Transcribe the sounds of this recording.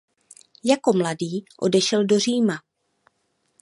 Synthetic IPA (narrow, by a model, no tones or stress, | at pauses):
jako̞mladiːʔo̞dɛʃɛldo̞r̝iːma